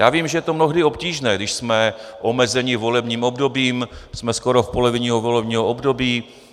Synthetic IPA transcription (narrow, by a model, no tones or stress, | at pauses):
jaːviːmʒɛjɛt̪omnoɦdɪo̞pciːʒnɛːɡdɪʃsmɛʔo̞mɛzɛɲɪvo̞lɛbɲiːmobdo̞biːmsmɛskoɾofpo̞lovɪɲiɦovo̞lɛbɲiːɦoʔobdo̞biː